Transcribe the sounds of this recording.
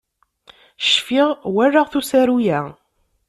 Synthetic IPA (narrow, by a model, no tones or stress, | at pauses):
ʃfiʁwærːəʁθusæɾujæ